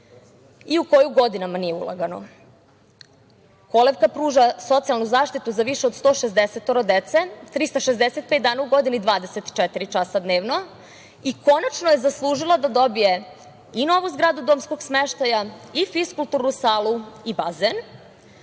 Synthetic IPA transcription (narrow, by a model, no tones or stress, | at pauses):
iuko̞juɡo̞d̪inamanijeṵlˠa̰ɡano̞̰ | ko̞leʋkapɾuːʒaso̞t̪sialˠnuzaːʃt̪it̪uzaʋiʃeod̪st̪o̞ːʃezd̪eset̪oɾod̪et̪set̪ɾist̪aʃezd̪eset̪̚pet̪d̪aːnauɡo̞d̪inid̪ʋaːd̪eset̪i̥t͡ʃet̪iɾit͡ʃasad̪neːʋno̞ | iko̞nat͡ʃnoje̞zaslˠuːʒilˠad̪ad̪o̞bije̞ | ino̞ʋuzɡɾaːd̪ud̪oːmsko̞ɡsmeʃt̪ajaifiskulˠt̪uɾnusaːlˠuibazen